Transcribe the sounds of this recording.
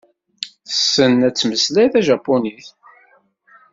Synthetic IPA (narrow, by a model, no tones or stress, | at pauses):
θəsːənæt͡sːməslæθæʒɑpːoniθ